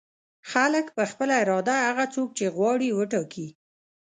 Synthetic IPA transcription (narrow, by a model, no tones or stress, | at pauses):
xaləkpəxpəlaɪɾɑd̪ahaɣat͡sok̚t͡ʃeɣwɑɽiwəʈɑki